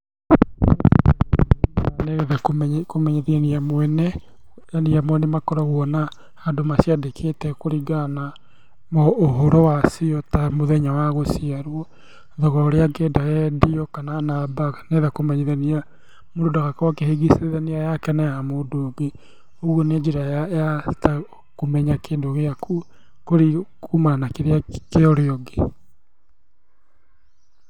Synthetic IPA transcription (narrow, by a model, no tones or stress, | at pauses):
anekkomɛɲeðaniamwɛnɛ | janiamwɛnemakɔɾaɣwɔna | hadomasiadekʰetɛkoɾiɡana | moːɦoɾowasiɔtamoðɛɲawaɣosiaɾwɔ | ðɔɣaoɾeaɡeːdajɛdiɔkananabaɣneðakomɛɲeðenia | moɾodaɣakawakeheɡiseðeniajakɛnajamoːdoːɡe | oɣwoned͡ʒiɾajajata | komɛɲakeːndoɣeakʰu | koɾiumanakeɾeakeɔɾeɔɡe